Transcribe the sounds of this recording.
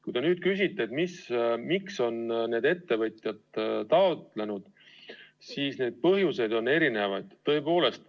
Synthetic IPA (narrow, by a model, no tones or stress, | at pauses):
kujd̪̥e̞nyːd̪̥kys̬ʲit̪ˑːe̞et̪mismikso̞nne̞ːd̪e̞t̪ːe̞vɤt̪ʲˑjɑd̪t̪ɑot̪le̞nud̪̥ | siːsne̞ːd̪̥̚pɤɦjuse̞d̪̥o̞nːe̞ɾine̞vɑjd̪̥t̪ːɤ̞epo̞ːle̞st̪